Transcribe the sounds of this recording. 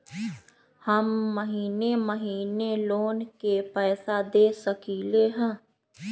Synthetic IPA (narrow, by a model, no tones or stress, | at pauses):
həmːəɦiːneːməɦiːneːloːnkeːpɛːsaːd̪eːsəkiːleːɦɛ̃ː